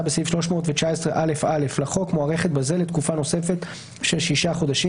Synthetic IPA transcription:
abesifʃlo̞ʃmo̞ːtvet͡ʃaesʁeʔale̞fale̞flaχo̞kmoaʁeχet̪̚baze̞lːet̪kufano̞se̞fe̞t̪ | ʃelʃiʃaχo̞d̪aʃi

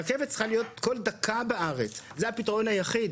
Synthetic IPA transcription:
ekevet̪t͡sχalijo̞t̪kold̪akʰabeʔaʁet͡szehapitaʁo̞nhajaχid

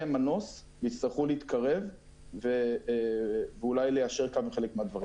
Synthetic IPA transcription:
emano̞s | veist̪aʁχuleit̪kaʁe̞v | ve | veulajlejaʃeʁkameχe̞lekmead̪vaʁi

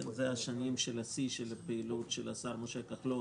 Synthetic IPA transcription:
zeaʃanimʃelasiʃelpeilutʃelasaɾmoʃekaχlo

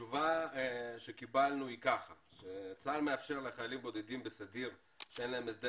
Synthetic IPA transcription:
uva | ʃekibalnuikaχaʃet͡salmeafʃeʁleχajalimbod̪ed̪imbesad̪iʁ | ʃeenlaemesd̪e

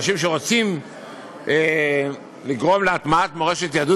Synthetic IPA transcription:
ʃimʃ̬e̞ʁo̞t͡sim | e | liɡʁo̞mleat̪maat̪moeʃet̪jad̪u

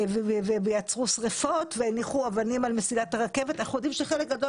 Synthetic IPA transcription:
vevevevejat͡sʁusʁefo̞t̪veniχuavanimalmesilat̪aʁake̞vetajχud̪imʃeχe̞lek̚ɡado

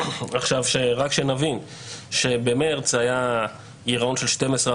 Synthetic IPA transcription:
aχʃavʃeʁakʃenavin | ʃe̞bemeʁt͡saja | iʁao̞nʃe̞lʃte̞mesʁe

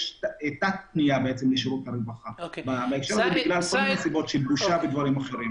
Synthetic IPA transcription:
ʃet̪at̪̚nijabeet͡semleʃiʁut̪aɾevaχababaekʃeɾazebiɡlalkolmineasibo̞tʃelbuʃaved̪vaɾimaχe̞ɾim

